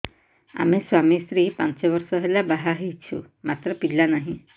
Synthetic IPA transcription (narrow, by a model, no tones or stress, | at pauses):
a̰meswamisɾipã̰nt͡ʃeʋɔɾsɔɦelabaɦaɦit͡ʃʰṵ | mat̪ɾəpillanaɦĩ